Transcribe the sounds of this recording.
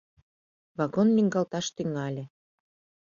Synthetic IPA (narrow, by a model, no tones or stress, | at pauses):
βɑɣonːʲyŋɡɑlt̪ɑʃt̪yŋɑlʲĕ